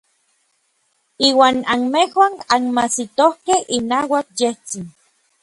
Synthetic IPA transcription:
iːwaːnanmehwananmasit̪ohkehʔinaːwakjeht͡sin

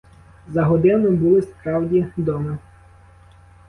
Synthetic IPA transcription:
zɐɦɔd̪ɪnʊbʊlˠɪspɾɑwdʲid̪ɔmɪ

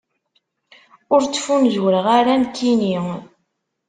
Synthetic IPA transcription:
ʊɾt͡sːfunzwɾəʁaɾænkːini

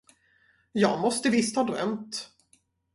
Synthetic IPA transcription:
jɑːɡmɔst̪əvɪst̪hɑːd̪ʁœ̰mt̪

